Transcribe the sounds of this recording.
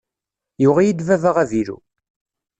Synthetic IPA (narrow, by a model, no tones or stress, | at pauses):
jʊʁajid̪vævaʁæviɾṵ